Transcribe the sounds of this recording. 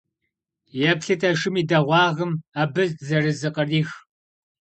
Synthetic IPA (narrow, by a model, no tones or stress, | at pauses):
jɛpɬɨtʰɐʂɪmiːdɐʁʷɑːʁəmaːbɨzzɐrɨzɨqɐriːx